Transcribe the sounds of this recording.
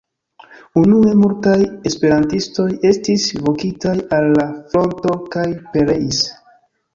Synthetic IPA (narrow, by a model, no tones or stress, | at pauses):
unue̞multaje̞spe̞ɾantisto̞je̞stisvo̞kitajalːafɾo̞nto̞kajpe̞ɾe̞is